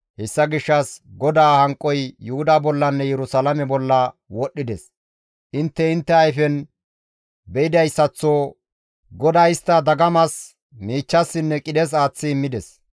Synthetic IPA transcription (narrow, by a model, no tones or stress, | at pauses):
hɛsːɐɡɪʃːɐsɡɔd̪aːhɐŋkʼːɔjjʊhʊd̪abɔlːɐnːɛjɛɾʊsalɐmɛbɔlːɐwɔɗːɪd̪ɛs | ʔɪnt̪ːɛɪnt̪ːɛɐjfɛn | bɛɪd̪ɐjsːɐt͡sːo | ɡɔd̪aːɪst̪ːɐd̪ɐɡɐmɐs | miːt͡ʃːɐsːɪnːɛkʼɪd̪ɛs̬aːt͡sːɪːmːɪd̪ɛs